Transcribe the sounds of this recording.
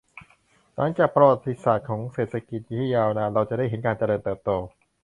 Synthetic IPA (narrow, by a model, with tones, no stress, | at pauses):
la˨˦˥ŋt͡ɕaː˨˩k̚pɾa˧wa˨˩t̪ːi˦˥saː˨˩t̪̚kʰɔː˩˦ŋseː˨˩t̪̚ʰa˧ki˨˩t̪̚jiː˦˧t̪ʰiː˦˥˩jaː˧wnaː˧˩ɾa˧wt͡ɕa˨˩ʔda˥˩jɦe˩˦nkaː˧nt͡ɕa˧lɤː˧nt̪ɤː˨˩p̚t̪oː˧